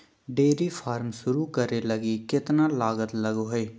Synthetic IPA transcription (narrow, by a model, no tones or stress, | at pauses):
ɖeːɾifʰaːɾmʃʊɾukəɾeləɡikɪt̪naːlaːɡət̪ləɡoɦeː